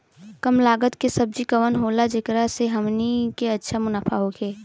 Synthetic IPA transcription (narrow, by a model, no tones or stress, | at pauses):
kəmlaːɡət̪kesɐb̚d͡ʒikəʋənɦoːlad͡ʒɪkɾaseɦɐmnikeɐtːʃʰamʊnaːfʰaɦokʰeː